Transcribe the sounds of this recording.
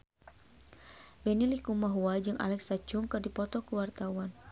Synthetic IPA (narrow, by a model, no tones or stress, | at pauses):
bɛnilikumaɦuad͡ʒɨŋʔa̰lɛksat͡ʃʊŋkɨrdipɔt̪ɔkəwart̪awan